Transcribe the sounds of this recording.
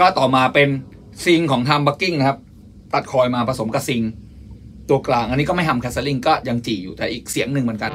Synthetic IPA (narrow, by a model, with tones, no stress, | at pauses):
kɔː˥˩t̪ɔː˨˩maː˧pe˧n | si˧ŋkʰɔː˩˦ŋt̪ʰaː˧mba˦˥kːi˥˩ŋna˦˥kʰa˦˥p̚ | t̪a˨˩t̪̚kʰɔː˧jmaː˧pɾa˧so˩˦mka˧˩si˧ŋ | t̪u˧ɐklaː˨˩ŋʔnːiː˦˥kɔː˥˩ma˥˩jt̪ʰa˧mkʰɛː˦˥sa˧li˥˩ŋkɔː˥˩ja˧ŋt͡ɕiː˨˩juː˨˩t̪ɛː˨˩ʔiː˨˩k̚si˩˦əŋnɯ˨˧ŋmː˩˦nka˧n